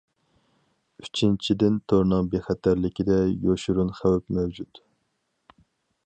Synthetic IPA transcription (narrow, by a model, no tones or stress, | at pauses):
yt͡ʃʰint͡ʃʰid̪ɪnt̪ʰoɾnɨŋbeχæt̪ʰæɾlɪkʲid̪ɛjoʃuɾunχæwpmɛwd͡ʒut̪